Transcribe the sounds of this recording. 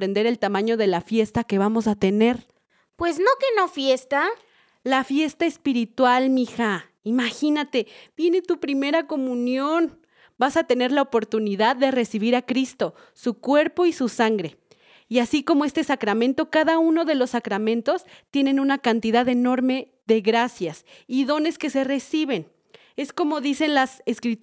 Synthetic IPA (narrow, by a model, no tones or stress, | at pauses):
ɾe̞nd̪e̞ɾe̞lt̪amãɲo̞ð̞e̞lafje̞st̪ake̞β̞amo̞sat̪e̞ne̞ɾ | pwe̞znokenofje̞st̪a | lafje̞st̪aespiɾit̪walmixa | imaxinat̪e̞b̥je̞ne̞t̪upɾime̞ɾako̞mũnjo̞n | basat̪e̞ne̞ɾlaopo̞ɾt̪uniðaðːe̞re̞siβ̞iɾakɾist̪o̞ | sukwe̞ɾpo̞isusaŋɡɾe̞ | iasiko̞moe̞st̪e̞sakɾamẽ̞nt̪o̞kaðauno̞ðe̞lo̞sːakɾamẽnt̪o̞st̪je̞ne̞nũnakant̪iðaðe̞no̞ɾme̞ | ðe̞ɣɾasjasiðo̞ne̞ske̞se̞re̞siβe̞n | e̞sko̞mo̞ðise̞nlaseskɾi